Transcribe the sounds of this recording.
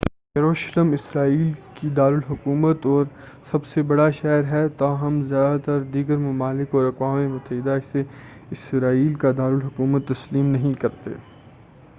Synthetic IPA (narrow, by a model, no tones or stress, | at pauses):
jɐɾoːʃləmɪsɾaːiːlkid̪aːɾəlɦʊkuːmət̪ɔːɾ | sɐbsebɐɽaʃɛːɾɦɛt̪aːɦɐmzjaːd̪at̪ɐɾd̪iːɡəɾmɐmaːlɪkɔːɾɐkwaːmemʊt̪ːəɦɪd̪aɪse | ɪsɾaːiːlkad̪aːɾəlɦʊkuːmət̪ːɐsliːmnɐɦĩkɐɾt̪ḛː